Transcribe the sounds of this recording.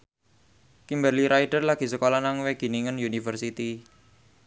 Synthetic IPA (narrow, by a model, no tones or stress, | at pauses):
kimbərliɾʔaiɖərlaɡ̥i̤səkolɔnaŋweɡ̥i̤niŋənjunifərsit̪i